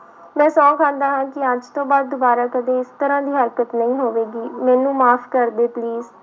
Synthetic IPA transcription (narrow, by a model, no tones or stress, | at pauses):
mɛ̃ːsɔ̃ːkʰãːnd̪aːɦãːkɪəd͡ʒt̪õːbaːd̪̚ːʊbaːɾaːkəd̪eːɪst̪əɾãːd̪iːɦəɾkət̪nəĩːɦoːʋeːɡiːmɛ̃ːnũːmaːpʰkəɾd̪eːpliːz